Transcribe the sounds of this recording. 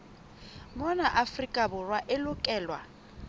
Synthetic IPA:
mɔnaʔafrikʼabʊrwaʔɪlʊkʼɛːlwa

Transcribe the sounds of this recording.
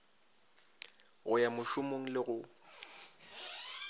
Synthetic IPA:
ɣʊjamʊʃʊmoŋ̩lɪɣʊ

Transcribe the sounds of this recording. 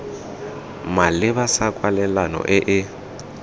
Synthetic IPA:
malɪβasakʼwalɛlanɔ̰ʔɪʔɪ

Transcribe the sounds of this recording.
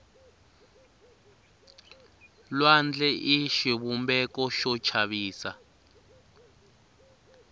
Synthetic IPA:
lwand͡ɮɛʔiʃiβumbɛkɔʃɔt͡ʃʰaβiːsa

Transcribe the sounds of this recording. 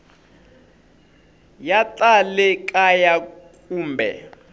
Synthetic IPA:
jatʼalɛkʼajakʼuːmbɛ̰

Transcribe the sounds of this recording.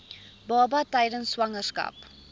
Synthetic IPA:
bɑːbɐtɛjdənswɐŋərskɐ̰p

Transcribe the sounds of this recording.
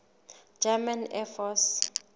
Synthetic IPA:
d͡ʒamanɛfɔs

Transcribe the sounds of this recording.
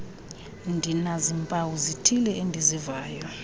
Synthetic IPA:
ndʱinazimpʼawuzitʰilɛʔendʱizivaːjɔ

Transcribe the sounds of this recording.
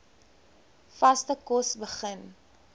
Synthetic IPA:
fɐstəkɔsbəχən

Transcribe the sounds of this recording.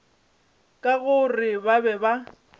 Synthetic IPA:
kʼaɣʊrɪbabɛba

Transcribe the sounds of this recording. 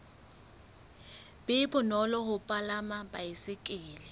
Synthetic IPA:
b̥ɪbʊnɔlɔhʊpʼalamabaɪsɪkʼɪːlɪ

